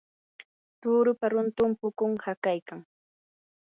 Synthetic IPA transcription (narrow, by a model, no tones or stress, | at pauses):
t̪uːɾʊpaɾʊnt̪ʊmpʊkʊŋhakajkaŋ